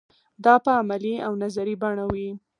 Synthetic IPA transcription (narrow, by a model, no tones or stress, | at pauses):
d̪ɑpəamaliawnazaɾibaɳawi